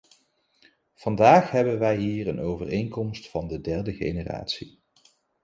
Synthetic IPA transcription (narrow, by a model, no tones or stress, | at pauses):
v̥ɑndaːχɦɛbənʋɛjɦiːrənʔowvərejŋkɔmstfɑndədɛɹdəχḛjnəra̰ːtsi